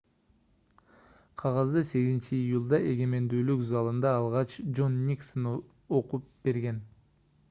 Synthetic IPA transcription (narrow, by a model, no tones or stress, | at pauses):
qʰɑʁɑzd̪ɯse̞ɡizɪnt͡ʃiːjulˠd̪ɑʔe̞ɡe̞me̞nd̪yːlykzɑlˠɯnd̪ɑːlˠʁɑt͡ʃd͡ʒo̞nːʲiksn | o̞qup̚b̥e̞ɾɡe̞n